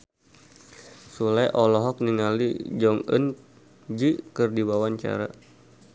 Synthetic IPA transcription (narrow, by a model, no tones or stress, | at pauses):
sulɛʔɔlɔɦɔk̚niŋalid͡ʒɔŋə̰n | d͡ʒikɨrdiwawaɲt͡ʃa̰ɾa̰